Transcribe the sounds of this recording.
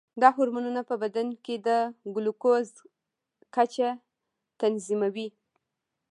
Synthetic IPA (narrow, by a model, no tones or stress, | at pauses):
d̪ɑɦoɾmanunapəbad̪anked̪əɡʊlukoz | kat͡ʃa | t̪anzimawi